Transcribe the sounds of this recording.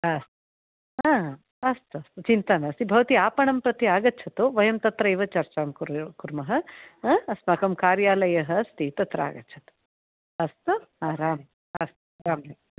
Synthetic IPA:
ast̪u | a | ɐst̪uɐst̪ut͡ʃint̪ɐnɐst̪ibʱɐʋɐt̪iaːpɐɳɐmpɾɐt̪iaːɡɐtːt͡ʃʰɐt̪uʋɐjɐmt̪ɐt̪ɾɐiʋɐt͡ʃɐɾt͡ʃaːmkuɾkuɾmɐɦɐ̆ | ɐsmɐkɐmkaːɾjaːlɐjɐɦɐɐst̪it̪ɐt̪ɾɐa̰ːɡɐtːt͡ʃʰɐt̪u̥ | ɐst̪uaːɾaːmɐ | ɐst̪uɾaːmjɐ

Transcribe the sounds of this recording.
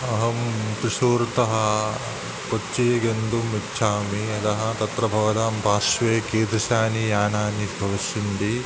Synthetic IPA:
ɐɦɐmt̪ɾiʃoːɾt̪ɐɦɐ | pot͡ʃːijɐɡend̪umitːt͡ʃʰaːmiɐt̪ɐɦɐ̆t̪ɐt̪ɾɐbʱɐʋɐd̪aːmpaːʃʋeːkeːd̪ɾɐʃaːnijaːnaːnid̪bʱɐʋɐʃind̪i

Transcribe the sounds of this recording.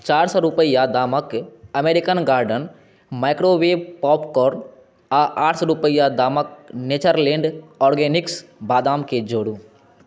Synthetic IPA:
t͡ʃaːɾsɔɾʊpəɪjad̪aːməkɐmeːɾɪkənɡaːɾɖən | maːɪkɾoʋeːpɔːpkɔːɾn | aʔaːʈʰsɔɾʊpəɪjad̪aːmək̚neːt͡ʃəɾlẽːɳɖɔːɾɡeːnɪksbaːd̪aːmked͡ʒoːɽuː

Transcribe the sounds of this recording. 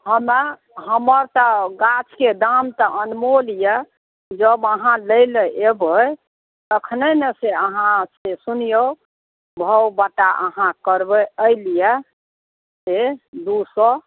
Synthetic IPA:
həma | ɦəməɾt̪əɡat͡ʃʰked̪amt̪ɔʔənmolijə | d͡ʒəbəɦãləjleʔebəj | t̪əkʰneneseəɦãsesunijo | bʱəwbaʈaʔə̰ɦãkəɾbəəlijɛ | sed̪usɔ

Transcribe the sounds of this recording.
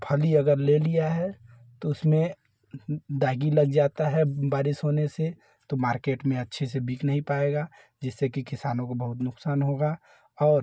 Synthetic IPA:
pʰɐliɐɡəɾlelijaɦɛ | t̪oʊsmẽ | d̪aːɡilɐɡd͡ʒaːt̪aɦɛbaːɾɪsɦoːnese | t̪omaːɾkeːʈmẽɐtːʃʰesebiːknɐɦĩpaːeːɡaː | d͡ʒɛsːekikɪsaːnõkobɐɦʊt̪nʊksaːnɦoːɡa | ɔːɾ

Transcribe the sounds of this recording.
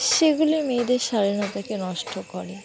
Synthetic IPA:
ʃeɡulimed̪eɾʃaɾinat̪akenɔʃʈʰokɔɾe

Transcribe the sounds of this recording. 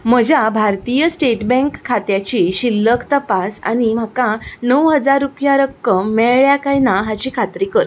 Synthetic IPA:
m̤əd͡ʑʱjabʱaɾt̪ijəsʈeʈbɛ̃ŋkʰːat̪jat͡ɕiɕilːəkt̪əpasa̰ñim̤akanəwɦəd͡zaɾːupjaɾəkːəmːɛɭɭjakajnaɦat͡ɕiːkʰat̪ɾikəɾ

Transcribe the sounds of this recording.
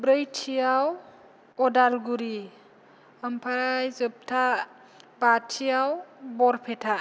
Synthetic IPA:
bɾəjtʰijaw | ɔdalɡuɾi | əmpʰaɾajzɯp̚tʰa | batʰijawbɔɾpʰetʰa

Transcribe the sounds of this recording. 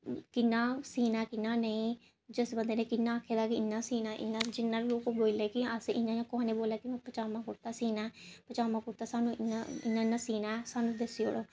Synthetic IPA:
kɪnːãːsiːnaːkɪnːãːnəĩː | d͡ʒəsbənd̪eːnẽːkɪnːãːkʰːeːd̪aːkiɪnːãːsiːnaːʔɪ̰nːãːd͡ʒɪnːãːɾloːkoːboːleːkiəsɪnːãːd͡ʒãːkʊɦãːneːboːlaːkimɛ̃ːpət͡ʃaːmãːkʊɽt̪aːsiːnaːpət͡ʃaːmãːkʊɾt̪aːsaːnũːɪnaɪ̰nːaːɪnːãːsiːnaːɛsaːnũːd̪əsio̰ːɽoː

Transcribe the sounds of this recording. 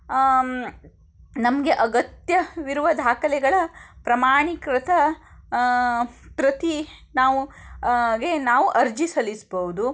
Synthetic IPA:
nɐmɐɡe̞ʔɐɡɐt̪jɐʋiɾuʋɐd̪ʱaːkɐlɛɡɐɭɐpɾɐmaːɳikɾɐt̪ʰɐ | pɾɐt̪i | naːʋu | ɡe̞naːʋuʔɐɾd͡ʒisɐlisbɐʋud̪u

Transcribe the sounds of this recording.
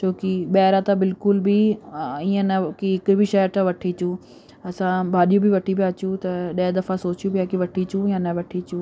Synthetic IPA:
t͡ɕoːkiɓɐːɾãt̪abɪlkʊlbʱɪiə̃nɐkiɦɪkbʱɪʃɐʈaʋɐʈʰit͡ɕũ | ɐsãbʱaːɗijũbʱɪʋɐʈʰipijaːt͡ɕũt̪ɐɗɐɦɛd̪ɐfasoːt͡ɕijũbijakiʋɐʈʰit͡ɕũjãnɐʋɐʈʰit͡ɕũ

